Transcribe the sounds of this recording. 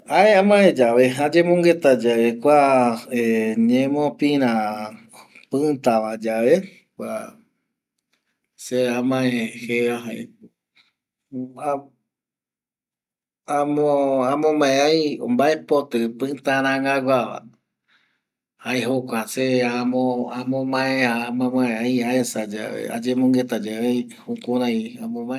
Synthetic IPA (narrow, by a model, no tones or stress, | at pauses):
aeãmãẽd͡ʒaʋeɦad͡ʒemõŋɡet̪ad͡ʒaekʷaeɲẽmõpĩɾ̃ã | pɨ̃t̪aʋad͡ʒaʋe | kʷa | seamãẽheaɦa | a | amoãmõmãẽajõ̰mbaepot̪ɨpɨ̃t̪ãɾ̃ãŋɡaɡʷaʋa̰ | haeɦokʷaseamõamõmãeamãmãẽajaesad͡ʒa̰ʋḛa̰d͡ʒẽmõŋɡet̪ad͡ʒae | hukũɾãjãmõmãe